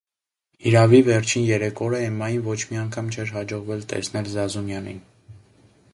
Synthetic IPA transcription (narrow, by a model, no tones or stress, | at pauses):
iɾɑvivɛɾt͡ʃʰinjɛɾɛkʰɔɾəɛmɑjinvɔt͡ʃʰmiɑŋkʰɑmt͡ʃʰɛɾɦɑd͡ʒɔʁvɛlt̪ɛ̰snɛlzɑzumjɑnḭn